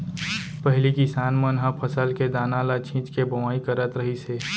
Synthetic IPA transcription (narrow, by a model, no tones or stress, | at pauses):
pəɦlikɪsaːnmənɦə̃pʰəsəlked̪aːnalat͡ʃʰĩːt͡ʃkebəʋaːikəɾət̪ɾəɦiseː